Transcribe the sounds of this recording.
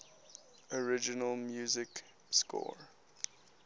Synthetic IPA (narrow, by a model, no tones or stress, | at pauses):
ɔɹɪd͡ʒɪnəlˠmjuːzɪk | skɔ̰ɹ